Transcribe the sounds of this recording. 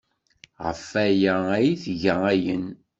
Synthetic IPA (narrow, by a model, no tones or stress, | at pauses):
ʁə̰fæjææjiθʝææjən